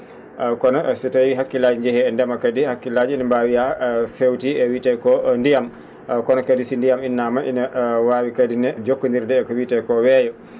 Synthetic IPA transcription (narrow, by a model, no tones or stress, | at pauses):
kɔnɔsɛtajiɦakːilad͡ʒiɲd͡ʒɛhɛɛndɛmakadihakːilad͡ʒiinambawijafewtiɛwitɛkɔndijam | kɔnɔkadisindijaminːamaʔinawaːwikadinɛd͡ʒokːundiɾdɛːkɔwitɛkɔwɛːjɔ